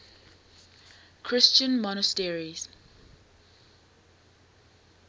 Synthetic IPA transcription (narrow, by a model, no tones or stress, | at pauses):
kʰɹɪst͡ʃə̃nmɔnəstɛɹiz̥